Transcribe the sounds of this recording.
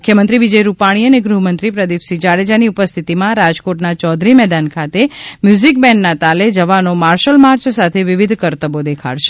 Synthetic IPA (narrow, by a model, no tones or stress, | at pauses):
mkʰjəmənt̪ɾiʋid͡ʒəjɾupaɽ̃iəneɡɾuɦmənt̪ɾipɾəd̪ipsid͡ʒaɭed͡ʒaniupəst̪ʰit̪imãɾad͡ʒkoʈnat͡ʃɔd̪ʱɾimɛd̪ankʰat̪emjuzik̚bɛɳnat̪aled͡ʒəʋanomaɾʃəlmaɾt͡ʃsat̪ʰeʋiʋid̪ʱkəɾt̪əbod̪ekʰa̰ɽʃe̥